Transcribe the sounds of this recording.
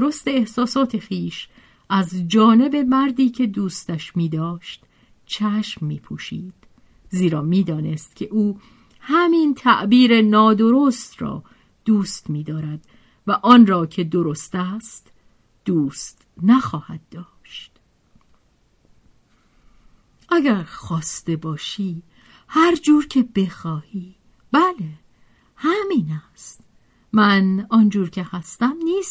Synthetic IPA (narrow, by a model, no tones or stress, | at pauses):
d̪̥oɾo̞st̪e̞ːhsɒːsɒːt̪ʰe̞xiːʃ | ʔæzd͡ʒɒːne̞be̞mæɾd̪iːcʰe̞d̪uːst̪æʃmiːd̪ɒːʃt̪ | t͡ʃʰæʃmːiːpʰuːʃiːd̪̥ | ziːɾɒːmiːd̪ɒːne̞st̪̚cʰe̞ʔuː | hæmiːnt̪ʰæʔbiːɾe̞nɒːd̪o̞ɾost̪ɾɒ̰ː | d̪̥uːst̪miːd̪ɒːɾæd̪̥ | væʔɒːnɾɒːcʰe̞d̪o̞ɾo̞st̪æst̪ | d̪̥uːst̪ | næxɒːhæd̪̚ːɒːʃt̪ | ʔæɟæɾxɒːst̪e̞bɒːʃiː | hæɾd͡ʒuːɾcʰe̞be̞xɒːhiː | b̥æle | hæmiːnæst̪ | mænɒnd͡ʒuːɾcʰe̞hæst̪æmniːst̪